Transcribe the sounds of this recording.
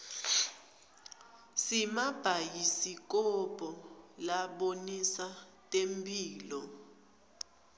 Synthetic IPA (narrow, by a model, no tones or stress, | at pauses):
simab̥ʱajisik̬ʼɔbʱʼɔlaɓonisa | tʼempʼiːlɔ